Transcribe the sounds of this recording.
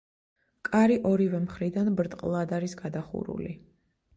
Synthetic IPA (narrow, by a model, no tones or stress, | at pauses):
kʼaɾiʔɔɾivɛmχɾid̪anbɾt̪ʼqʼlˠad̪aɾisɡad̪aχṵɾṵlḭ